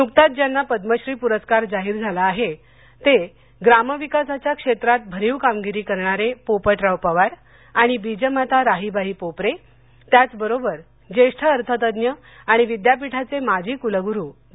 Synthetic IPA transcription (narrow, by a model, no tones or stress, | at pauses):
nuk̚t̪at̪̚d͡ʑjanːapəd̪məɕɾiːpuɾəskaɾd͡zaɦiːɾd͡zʱalaːɦe | t̪e | ɡɾaməʋikasat͡ɕjakʂet̪ɾat̪̚bʱəɾiːʋkamɡiɾiːkəɾɳ̃aɾepopəʈɾawpaʋaɾ | aɽ̃ibid͡ʑəmat̪aɾaɦibaɦiːpopɾe | t̪jat͡sbəɾobəɾ | d͡ʑeʂʈʰəːɾt̪ʰət̪əd̪njə | aɽ̃iʋid̪japiʈʰat͡semad͡ʑʱiːkuləɡuɾuː